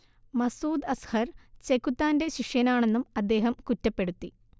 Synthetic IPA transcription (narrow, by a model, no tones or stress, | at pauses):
mɐsuːd̪ɐshɐrt͡ɕe̞kːut̪ːaːnde̞ɕiʂjɐnaːɳe̞nːumɐd̪ːe̞ːɦɐmkutːɐpːe̞ɽut̪ːi